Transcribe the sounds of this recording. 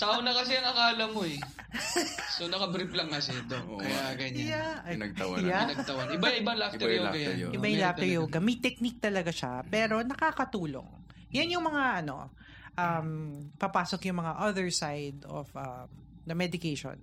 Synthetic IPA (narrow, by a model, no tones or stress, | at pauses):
t̪aonɐkɐsɛɐŋɐkaːlɐmoɛ | sonɐkɐbɾiplɐŋːɐsɛd̪okːɐjaɡɐɲajanɐɡ̪̚ɐjanɐɡt̪ɐwɐnɪbajɪbalaft̪ɛɾjoɡɐja̰ʔɪbajʊlafɛjoːɡɐmɐjt̪ɛk̚nik̚t̪ɐlɐɡaʃa̰pɛːɾo̞nɐkaːkɐt̪uːlo̰ŋ | janjʊŋmɐŋaʔɐno̞̰ | ʔɐmpɐpaːsokjʊŋmɐŋaʔɐðɛɹsajd̪o̰fʔɐ | d̪ɐmɛd̪ɪkejʃo̰n